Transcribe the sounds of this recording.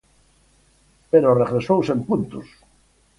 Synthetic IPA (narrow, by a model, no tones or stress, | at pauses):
peɾoreɣɾesowsempunt̪ʊs